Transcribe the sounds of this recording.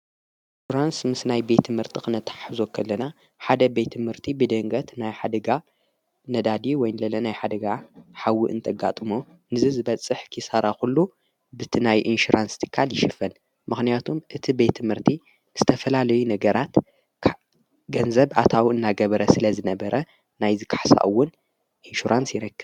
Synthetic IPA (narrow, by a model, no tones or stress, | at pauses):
nʃuɾansmɨsnajbe̞t̪ʰːmɨɾt̪ʰɨxʼɨnɐt̪ʰʼḁħħzokʰɐlːɐna | ħad̪ɐbe̞t̪ʰːɨmhɨɾt̪ʰibɨd̪ɐŋɡɐt̪najħad̪ɐɡa | nɐd̪ad̪iwɔjnlɐlɐnajħad̪ɐɡaħawːiʔɨ̰nt̪ʰɐɡa̰t̪ʼɨmo | nɨzizɨβɐt͡sʼɨħkʰisaɾaxulːu | bɨt̪ʰinajʔinʃuɾʔanst̪ʰɨ̥kʰːaljɪʃɨfɐn | mɨxnijat̪ʰumʔɨt̪ʰibe̞t̪ʰːɨmhɨɾt̪ʰi | z̥ɨt̪ʰɐfɐlalɐjunɐɡɐɾʔat̪ʰ | ɡɐnzɐβʔat̪ʰawɨnːaɡɐβɐɾɐsɨlɐzɨnɐbɐɾʔɐ | najzɨkʰḁħsa̰ʔwːʊn | ʔinʃuɾʔansjɪɾɐkːɨβ